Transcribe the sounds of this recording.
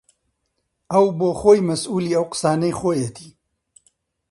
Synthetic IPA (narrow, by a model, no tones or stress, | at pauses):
ɐwboːxoːjmɐsuːliːɐwqɨ̥saːnɐjxoːjet̪ʰiː